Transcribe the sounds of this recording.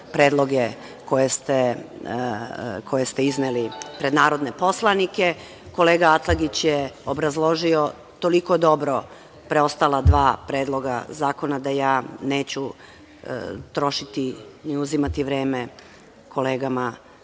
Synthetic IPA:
pɾeːd̪lˠo̞ɡe | ko̞jest̪e | kʰo̞je̞st̪eiznelipɾed̪naːɾo̞d̪ne̞po̞slˠanike̞ | ko̞le̞ːɡaat̪laɡit͡ɕjeobɾazlˠo̞ʒio̞ | t̪o̞liko̞d̪o̞bɾo̞ | pɾeo̞st̪alˠad̪ʋaːpɾeːd̪lˠo̞ɡa̰zaːko̞nad̪ajaːneːt͡ɕu | t̪ɾo̞ʃit̪iniuzimat̪iʋɾeːme | kʰo̞le̞ːɡama

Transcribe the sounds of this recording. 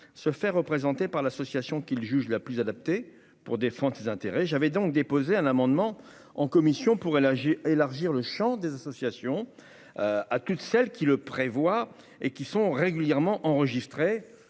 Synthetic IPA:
səfɛʁəpχezɑ̃t̪epaʁlasɔsjasjɔ̃kʲilʒyʒlaplyzad̪ap̚t̪e | puʁd̪efɑ̃d̪ʁəsezɛ̃t̪eʁɛʒavɛd̪ɔ̃k̚d̪epozeɛ̃namɑ̃d̪mɑ̃ | ɑ̃kɔmisjɔ̃puʁelaʁʒiʁləʃɑ̃d̪ezasɔsjasjɔ̃ | at̪ut̪sɛlkʲiləpχevwa | ekʲisɔ̃ʁeɡʲyljɛʁmɑ̃ʔɑ̃ʁəʒist̪χe

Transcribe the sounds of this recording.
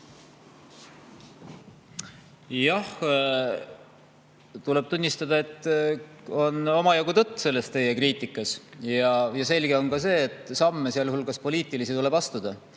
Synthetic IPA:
jɑh | t̪ule̞b̥t̪unʲːist̪ɑd̪ɑe̞t̪ˑː | o̞no̞mɑjoɡut̪ɤt̪ːˑse̞lːe̞st̪ːe̞je̞kriːt̪ˑikːˑɑsjɑjɑse̞lʲɡ̥e̞o̞nkɑse̞ːt̪ˑːsɑmːesiɑljhulɡ̥ɑspo̞liːt̪ˑilisit̪ule̞bɑst̪ud̪̥ɑ

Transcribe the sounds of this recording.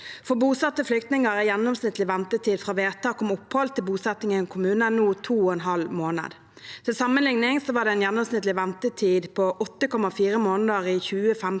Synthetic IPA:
fɔbuːsɑt̪ːəflʏkt̪nɪŋəʁɛjɛnːɔmsnɪt̪lɪʋɛnt̪ət̪ʰiːd̪fʁɑʋeːʁt̪ʰɑːkɔmʊphɔlt̪ʰɪlbuːsɛt̪nɪŋəkʰʊmʉːnənuːt̪ʰuːɔɛnɦɑlmoːnə̰d̪ | t̪ʰɪlsɑmənlɪŋnɪŋsɔʋɑːɖ̪ɛɛnjɛnːɔmsnɪt̪lɪʋɛnt̪ət̪ʰiːd̪pʰɔʔɔt̪ːəkʰɔmɑfiːɾəmoːnəd̪əʁiçʉːəfɛm

